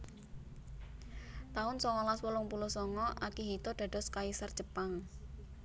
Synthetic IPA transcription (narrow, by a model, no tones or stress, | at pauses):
t̪aʊnsɔŋɔlaswəlʊŋpulusɔŋɔʔakiɦit̪ɔɖ̥ä̤d̥ɔ̤skaisərd̥ʒ̥əpaŋ